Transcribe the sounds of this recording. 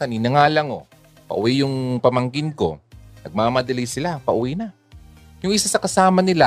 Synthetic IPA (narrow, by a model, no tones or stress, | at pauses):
ɐninɐŋaːlɐŋo̞̰ | pɐ̰ʔʊ̰wijʊŋpɐmɐŋɡɪnko̞̰nɐɡ̚maːmɐd̪ɐlijsɪlapɐʔʊwina | jʊŋʔɪsasɐkɐsaːmɐnɪla